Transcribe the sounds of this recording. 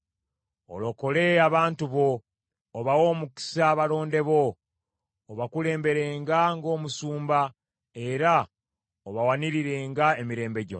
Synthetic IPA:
o̰lo̞ko̞le̞aβaːntuβo̞ː | βawo̞ːmuki̥saβalo̞ːnde̞βo̞ː | βakule̞ːmbe̞ɾe̞ːŋɡaŋɡo̞ːmusuːmba | e̞ɾa | oβawaniɾiɾe̞ːŋɡaemiɾe̞ːmbe̞ɟo

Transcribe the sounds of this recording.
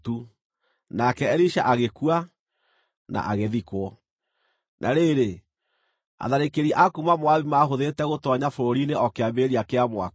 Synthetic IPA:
tu | nakɛɛɾiʃaʔaɣekua | na̰ʔaɣeðikwɔ | nʔa̰ɾeɾe | a̰ðaɾekeɾiʔakumamwaβimaɦoðeːtɛɣotɔɲafooɾineʔɔkeabeɾiakeamwa̰

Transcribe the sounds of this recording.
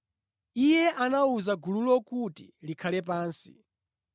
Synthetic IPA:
ijɛʔanauzaɡululɔkutilikʰalɛp̬aːnsi̥̰

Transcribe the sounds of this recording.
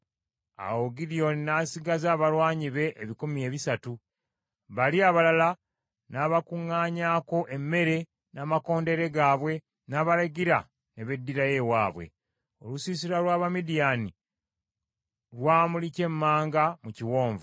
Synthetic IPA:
a̰woɡilio̞ninasiɡazaːβalwaːɲiβe̞ʔeβikumie̞ːβisatu | βaliaβalala | naβakuŋːaːɲaːko̞ʔe̞mːe̞ɾe̞ | naːmako̞ːnde̞ɾe̞ɡaːβwe̞ | naːβaɾaɡiɾa | ne̞βe̞dːiɾaje̞waːβwe̞̰ | o̞̰lusisiɾalwaːβamidijani | ɾwaːmulice̞mːaːŋɡamuciwo̞ːɱvu

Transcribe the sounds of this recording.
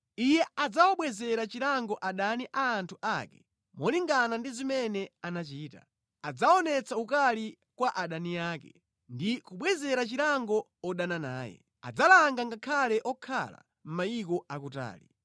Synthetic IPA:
ijɛad͡zawaɓwɛzɛɾat͡ʃiɾaŋɡɔʔaɗaniʔaːntʰuʔakɛ | mɔliŋɡanandizimɛnɛanat͡ʃiːta̰ | ad͡zaɔnɛt͡sʰaukali | kwaʔaɗanijaːkɛ | ndikuɓwɛzɛɾat͡ʃiɾaŋɡɔ | ɔɗanana̰ːjɛ̰ | a̰d͡zalaŋɡaŋɡakʰalɛʔɔkʰa̰la̰ | m̩maikɔʔakuta̰ːli

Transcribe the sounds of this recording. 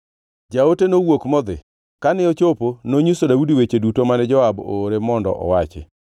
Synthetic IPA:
d͡ʒaotenowokmɔd̪ɪ̰ | kanɪot͡ʃoponoɲusodaudiwet͡ʃedutomanɛd͡ʒɔabo̰ɾemɔndɔ̰ʔɔ̰wat͡ʃɛ̰

